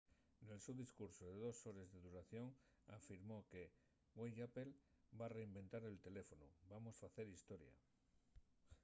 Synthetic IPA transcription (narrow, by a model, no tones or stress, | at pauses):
ne̞lsuðiskuɾsoðeðo̞so̞ɾezðe̞ðuɾaθjo̞ŋ | afiɾmo̞ke̞ | ɡwejape̞l | bare̞imbe̞nt̪aɾe̞lt̪e̞le̞fo̞nubamo̞sfaθe̞ɾist̪o̞ɾja̰